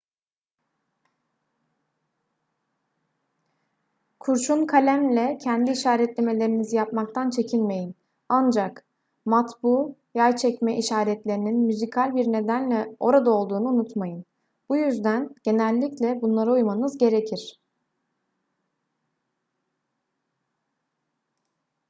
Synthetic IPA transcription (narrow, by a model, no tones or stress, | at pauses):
kʰuɾʃunkʰalʲæmlʲɛcʰɛnd̪iːʃaːɾɛt̪lʲe̞me̞lʲe̞ɾinizijapmak̚t̪ʰant͡ʃʰe̞cʰilʲme̞jin | and͡ʒak | mat̪buːjajt͡ʃʰɛcmɛʔiʃaːɾɛt̪lʲe̞ɾininmyzikʰalʲbiɾne̞d̪ænlʲɛo̞̰ɾad̪ao̞lˠd̪uːnuːnut̪majɯn | b̥ujyzd̪ænɟ̥e̞nælʲːiclʲɛbunlˠaɾaujmanɯzɟe̞ɾe̞cʰiɾ̥